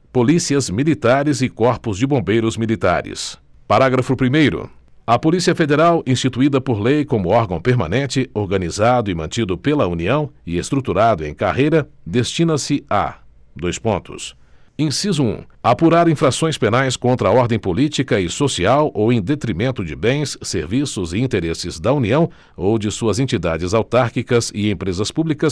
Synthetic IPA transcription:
polisiɐzmilit̪aɾɪzɪkɔɾpʊzd͡ʒɪbõbejɾʊzmilit̪a̰ɾɪ̰s | paɾaɡɾɐfʊpɾimejɾʊ̰ | ɐpolisiɐfed̪eɾawĩst͡ʃit̪uid̪ɐpoɾlejkõmʊɔɾɡɐ̃w̃peɾmɐ̰̃nẽnt͡ʃɪoɾɡɐnizad̪ʊɪmɐ̃nt͡ʃid̪ʊpelɐuniɐ̃w̃ɪest̪ɾut̪uɾad̪ʊḛ̃j̃ka̰hejɾɐ | d̪est͡ʃĩnɐsɪa̰ | d̪ojspõnt̪ʊ̰s | ẽsizʊṵ̃apuɾaɾĩfɾasõj̃spenajskõnt̪ɾɐaɔɾd̪ẽj̃polit͡ʃikɐɪsosiawʔowẽd̪et̪ɾimẽnt̪ʊd͡ʒɪbẽj̃sːeɾvisʊzɪĩnt̪eɾesɪzd̪ɐuniɐ̃w̃ | owd͡ʒɪsuɐzẽnt͡ʃid̪ad͡ʒɪzawt̪aɾkikɐzɪẽpɾezɐspublikɐs

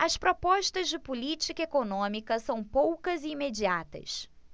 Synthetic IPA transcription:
ɐspɾopɔʃt̪ɐzd͡ʒɪpulit͡ʃikɐekonõmikɐsɐ̃w̃powkɐzɪimed͡ʒiat̪ɐ̰s

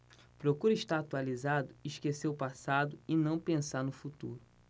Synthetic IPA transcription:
pɾokuɾiʃt̪aɾat̪ualizad̪ʊiʃkeseɾʊpasad̪ʊɪnɐ̃w̃pẽsaɾnʊfut̪uɾʊ

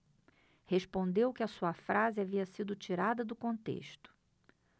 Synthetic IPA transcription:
heʃpõnd̪ewkɪɐsuɐfɾazɪaviɐsid̪ʊt͡ʃiɾad̪ɐd̪ʊkõnt̪ḛʃt̪ʊ̥

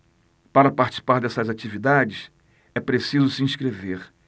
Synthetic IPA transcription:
paɾɐpaɾt͡ʃi̥si̥paɾd̪ɛsɐzat͡ʃivid̪ad͡ʒɪs | ɛpɾesizʊsiĩʃkɾeveɾ

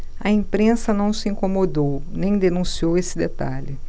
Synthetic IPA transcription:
ɐẽpɾẽsɐnɐ̃w̃sɪĩŋkomod̪ownẽj̃d̪enũsiowesɪd̪et̪a̰ʎɪ

